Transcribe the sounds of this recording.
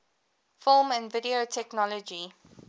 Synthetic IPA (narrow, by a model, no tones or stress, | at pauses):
fɪlmæ̃nvɪdiotʰɛknɔlɔd͡ʒi